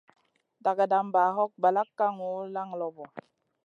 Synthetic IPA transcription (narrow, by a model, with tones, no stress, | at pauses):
da˨ɡa˨da˨mba˨ɦɔ˦k̚ba˨la˦kːa˦ŋu˦la˦ŋlɔ˨bɔ˨